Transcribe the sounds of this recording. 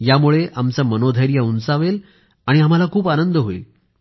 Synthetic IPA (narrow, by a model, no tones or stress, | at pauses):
jamuɭeʔamt͡samənod̪ʱəjɾjəunt͡saʋel | aɽ̃iam̤alakʰuːpanənd̪ʱəɦoḭl